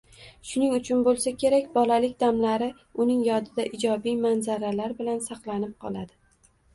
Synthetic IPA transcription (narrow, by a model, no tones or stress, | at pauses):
ʃʊnɪŋʊt͡ʃʰʊnbolˠsakʲʰe̞ɾakʲbɒlalɪkʲd̪amlaɾɪ | ʊnɪŋjɒd̪ɪd̪aʔɪd͡ʒɒbijmanzaɾalaɾbɪlansɑqlˠanɪp̚qʰɒ̰lˠad̪ɪ